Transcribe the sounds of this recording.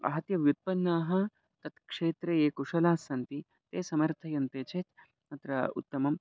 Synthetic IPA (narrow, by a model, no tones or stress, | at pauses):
ɐ̰ɦɐt̪jɐʋjut̪̚pɐnːaːɦɐ̆ | t̪ɐt̪kʂeːt̪ɾejeːkuʂɐlaːsɐnt̪i | t̪eːsɐmɐɾt̪ʰɐjɐnt̪eːt͡ʃʰeːt̪ | mɐt̪ɾɐṵt̪ːɐmɐm